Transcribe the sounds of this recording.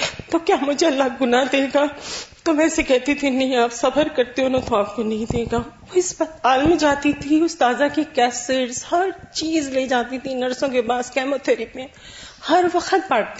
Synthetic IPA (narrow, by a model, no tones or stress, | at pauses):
t̪oːkjaːmʊd͡ʒʱeɐlːaɡʊnad̪eːɡaːt̪oːʋɛ̃ːsekɛɦt̪it̪ʰinɐɦĩaːpsɐfəɾkɐɾt̪eɦʊnõt̪oaːp̚konɐɦĩd̪eːɡaʋoɪsbɐt̪aːlmd͡ʒaːt̪it̪ʰiʊst̪aːzakikɛːsɪʈzhɐɾt͡ʃiːzleːd͡ʒaːt̪it̪ʰinɐɾsõk̬ebaːskɛːmot̪ʰeɾipẽ | hɐɾʋɐxət̪̚baːʈt̪